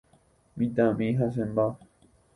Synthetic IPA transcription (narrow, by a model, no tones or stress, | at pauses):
mĩt̪ãmĩɦas̬emba